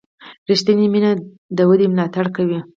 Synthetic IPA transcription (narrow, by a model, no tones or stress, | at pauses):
ɾiʃt̪animina | d̪əwəd̪emlɑt̪aɽkawi